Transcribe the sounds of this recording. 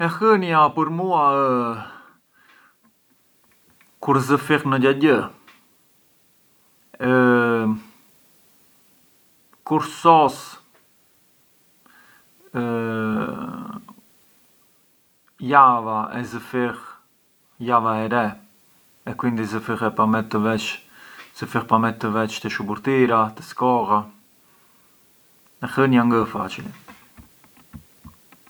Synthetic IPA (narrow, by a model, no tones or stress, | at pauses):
ɛxənjapəɾmuaə | kuɾzəfixnəɟaɟə | kuɾsɔs | ə | javaɛzəfiʁ | javaɛɾɛ | ɛkwind̪izəfiʁɛpamɛt̪ːəvɛt͡ʃz̥əfiʁpamɛt̪t̪ːəvɛt͡ʃt̪əʃubuɾt̪iɾat̪ə̥skɔʁa | ɛxənaŋɡəfa̰t͡ʃilɛ